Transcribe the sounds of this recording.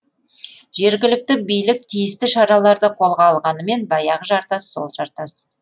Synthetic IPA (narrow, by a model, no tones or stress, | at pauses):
ʒe̞ɾɡʲɪlɪk̚t̪ɪbijlɪk̚t̪ʰijɪst̪ɪʃɑɾɑlˠɑɾd̪əqʰo̞lˠʁɑːlˠʁɑnəme̞nbɑjɑʁəʒɑɾt̪ɑsːo̞̰lˠʒɑɾt̪ɑs